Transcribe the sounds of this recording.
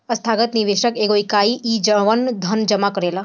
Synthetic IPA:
ɐst̪ʰaːɡət̪niʋeːʃəkeːɡoɪkaːiʔiːd͡ʒəʋənd̪ʱɐnd͡ʒɐmakɐɾeːla

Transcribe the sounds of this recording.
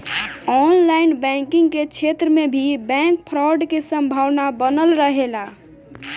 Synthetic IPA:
ɔnlainbɛ̃ŋkiŋɡket͡ʃʰet̪ɾəmebʱibɛ̃ŋk̚pʰɾɔɖkesə̃mbʱawnabənəlɾəɦela

